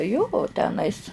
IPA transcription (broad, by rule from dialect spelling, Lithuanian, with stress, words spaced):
joː oː tʲɛˈnɐɪs